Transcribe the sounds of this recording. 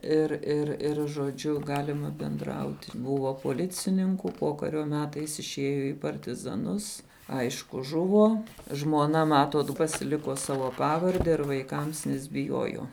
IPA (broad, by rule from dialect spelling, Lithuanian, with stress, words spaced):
ˈɪr ɪr ˈɪr ʒoːˈd͡ʒʲʊ ˈɡɑːlʲɪmɐ bʲɛnˈdrɐʊtʲɪ ˈbʊʋoː poːˈlʲɪt͡sʲɪnʲɪŋkʊ ˈpoːkɐrʲoː ˈmʲæːtɐɪs ɪʃʲˈeːjoː iː pɐrʲtʲɪzɐˈnʊs ˈɐɪʃkʊ ˈʒʊʋoː ʒmuɔˈnɐ ˈmɑːtoːt pɐsʲɪˈlʲɪkuɔ ˈsɑːʋoː ˈpɑːʋɐrʲdʲɛ ɪr ʋɐɪˈkɐms nʲɛs bʲɪˈjuɔjuɔ